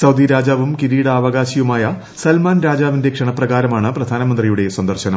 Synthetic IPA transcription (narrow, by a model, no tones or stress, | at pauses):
sɐwd̪iɾaːd͡ʑaːʋumkiɾiːɽɐaːʋɐɡaːɕijumaːjɐ | sɐlmaːnɾaːd͡ʑaːʋinde̞kʂɐɳɐprɐɣaːɾɐmaːɳɨprɐd̪ʱaːnɐmɐnd̪rijuɽe̞swɐnd̪ɐrɕɐnɐm